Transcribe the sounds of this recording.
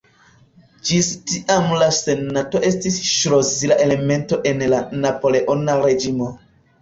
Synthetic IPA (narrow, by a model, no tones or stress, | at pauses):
d͡ʒistiʔamlase̞nato̞e̞stisʃɾozilaʔe̞le̞me̞nto̞ʔe̞nlanapo̞le̞ʔo̞naɾe̞d͡ʒimo̞